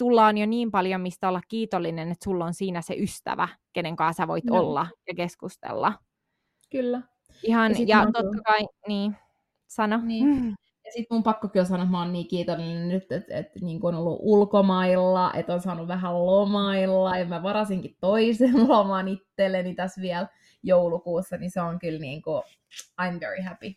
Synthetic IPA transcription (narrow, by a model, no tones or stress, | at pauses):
t̪ulːɑonjoniːmpɑljomist̪æolːɑkkiːt̪olːinenet̪sulːonsiːnæsḛʔyst̪æ̰ʋæ̰keneŋkɑːˑsæʋoit̪olːɑjɑkeskust̪ḛlːɑ̰ | kylːæ | ihɑnjɑt̪ot̪ːɑkɑiniː | sɑnonː | jɑsit̪mumpɑkːokios̬ɑnuoet̪mɑonniːkiːt̪onennyt̪ːet̪ḛt̪niːŋkuonolːṵʔulkomɑilːɑʔḛt̪onsɑːnuʋʋæɦællomɑilːɑjɑmæʋɑɾɑsiŋkit̪t̪oisenlomɑːnit̪ːelenit̪æsʋiɛl | joulukuːsːɑniseoŋkylniːŋku | ɑimʋeɹihæpi